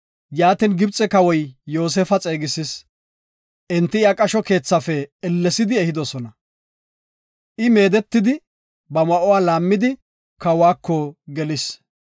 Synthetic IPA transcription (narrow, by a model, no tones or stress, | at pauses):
jaːt̪inɡɪbt͡sʼɛkɐwɔjːo̞ːs̬eːfɐt͡sʼe̞ːɡɪsɪs | ʔɛnt̪ːɪɪakʼɐʃɔke̞ːt͡sːɐfɛɛlːɛsɪd̪ɪɛhɪd̪ɔsɔnɐ | ʔɪmeːd̪ɛt̪ːɪd̪ɪ | bɐmɐʔɔwaːlaːmːɪd̪ɪ | kɐwaːkːɔɡɛlɪs